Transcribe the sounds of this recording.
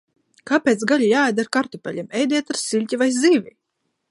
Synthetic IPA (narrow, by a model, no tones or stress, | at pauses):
kapʲet̪sɡaʎʲijaːajd̪aɾkaɾt̪upʲɛlʲimɛjd̪iɛt̪aɾsilʲcʲivajziːvʲi